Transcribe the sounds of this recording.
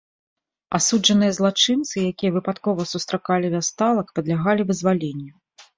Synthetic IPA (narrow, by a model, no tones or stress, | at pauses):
asud͡ʐɐnɨjɐzlˠat͡ʂɨnt̪sɨjakʲijɐvɨpat̪kɔvɐsust̪ɾakalʲivʲast̪alˠɐkpɐd̪lʲaɣalʲivɨzvalʲenʲːɐ